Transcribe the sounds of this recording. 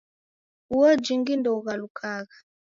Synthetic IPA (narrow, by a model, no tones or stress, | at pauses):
uwɔd͡ʒiŋɡindɔɣalukʰaɣa